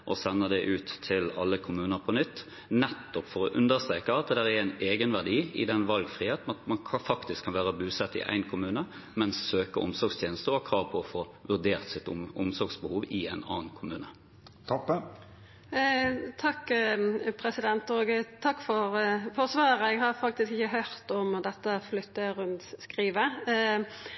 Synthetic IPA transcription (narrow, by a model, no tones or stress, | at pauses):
ʔɔsɛnːəd̪ɛʔʉːt̪ʰːɪlɑ̰lːəkʰʊmʉːnəɾpʰɔnʏt̪ː | nɛt̪ːɔpfɔɾɔʔʉnd̪əʁst̪ʁeːkəɑt̪̚d̪dæʁɛɾæɪneːɡənʋæʁd̪iːɪ̰d̪ɛnʋɑlɡfʁiːheːt̪n̩ɑt̪mɑnʰfɑkt̪ɪskʰːɑnʋæːʁəbʉːsɛt̪ːɪ̰ʔæ̰ɪnkʰʊmʉːnəmɛnssøːkəʔʊmsɔɾɡst̪ʰjeːnəst̪əɔhɑkʰʁɑːʋpʰɔɔfoːʋʉʁd̪eːʁt̪sɪt̪ʊmsɔɾɡsbəhuːʋɪæɪnɑ̰ːnkʰʊmʉːnə | t̪ʰɔpːə | t̪ʰɑkː | pʰɾɛsɪd̪ɛnt̪oːɡt̪ʰɑkːfɔʁfɔʁsʋɑːəʁəɛɡɦɑɾfɑk̚t̪ɪskɪçəɦœɾt̪ɔmd̪ɛt̪ːəflʏt̪ːəɾʉnt̪skʁiːʋə